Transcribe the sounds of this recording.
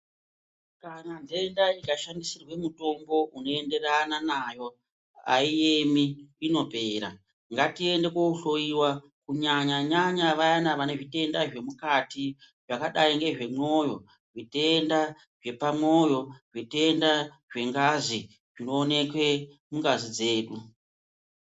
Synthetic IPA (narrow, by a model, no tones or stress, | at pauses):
kanand͡zeːndaikaʃandisirwe̞muto̞mbo̞ʔuno̞e̞nde̞rananaːjo̞ | a̰ijemiːno̞pe̞ːɾa̰ | ŋɡatie̞nde̞kouɬo̞iwa | kuɲaɲaɲaɲaʋajanaʋane̞ʐite̞ndaʐe̞mukati | ʐakaɗaiŋɡe̞ʐe̞mo̞jo̞ | ʐitenda | ʐe̞pamo̞jo̞ʐite̞nda | ʐe̞ŋɡazi | ʐ̥ino̞ːne̞kwe̞ | muŋɡazid͡ze̞ːɗu